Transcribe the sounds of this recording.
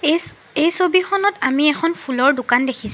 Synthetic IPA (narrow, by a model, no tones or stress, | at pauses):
ejsobixɔnɔtamiɛxʰɔnpʰulɔɹdʊkandekʰis